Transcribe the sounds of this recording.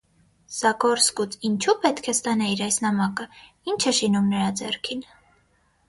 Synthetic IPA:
z̥ɑkɔɾskut͡sint͡ʃʰupɛt̪kʰɛst̪ɑnɑiɾɑjsnɑmɑkə | int͡ʃʰɛʃinumnəɾɑd͡zɛrkʰin

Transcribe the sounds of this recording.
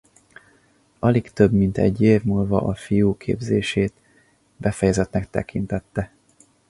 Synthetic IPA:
ʔɒlikt̪ø̞bmint̪ɛ̰ɟːeːvmuːlvɒ̰ʔɒfijuːkʰḛːbzeːʃeːt̪ | bɛfɛjɛzɛt̪nɛkt̪ɛ̰kint̪ɛt̪ːɛ

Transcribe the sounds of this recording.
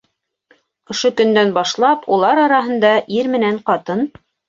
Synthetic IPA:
ŏʃokɵ̆nd̪ænbɑʃlˠɑpʰulˠɑɾɑɾɑɦɤ̆nd̪ɑʔiɾmɘ̆næɴqɑt̪ɤn

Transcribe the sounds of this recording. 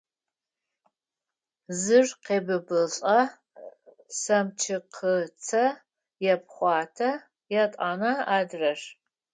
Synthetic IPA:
zɨrqeːbɨbɨɬʼɐ | sɐmt͡ʃʰɪqʰət͡sʰɐ | jɛp̚χʷɑːtʰɐ | jɛtʼaːnɐaːdrɐʂ

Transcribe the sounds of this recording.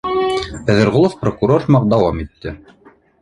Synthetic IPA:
pæðɘ̆ɾʁolˠofprokuɾormɑq̚d̪ɑwɑmit̪ːɘ

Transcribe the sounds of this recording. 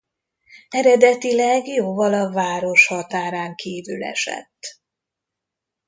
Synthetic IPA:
ɛɾɛd̪ɛt̪ilɛɡjoːvɒlɒvaːɾo̞ʃhɒt̪aːɾaːŋkiːvylɛ̰ʃɛ̰t̪ː

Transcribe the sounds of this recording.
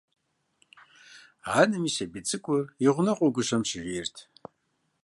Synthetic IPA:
aːnɨmiʃɐbit͡sʼɨkʷʼʊriʁʷʊnɐqʷʼʊɡʷʊʂɐmʃɪʒᶣʷirtʰ

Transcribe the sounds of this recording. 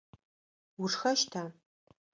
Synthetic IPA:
wʊʂxɐʃtʰaː

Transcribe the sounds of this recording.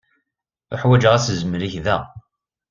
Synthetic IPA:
ʊħwæd͡ʒʁæszəmɾiçðæ̰

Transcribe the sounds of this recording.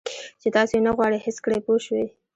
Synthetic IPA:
t͡ʃet̪ɑsoenaɣwɑɽehɪskɽejpoʃwe

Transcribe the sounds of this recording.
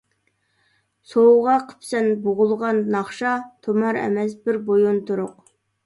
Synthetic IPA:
sowʁɑqʰə̥psɛnboʁʊlˠʁɑnːɑχʃɑt̪ʰomɑɾɛ̰mɛsbɪɾbojunt̪ʊɾʊq

